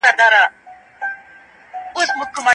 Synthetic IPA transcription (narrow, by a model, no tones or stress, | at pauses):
ad̪aːɾa | ʊsmʊkːma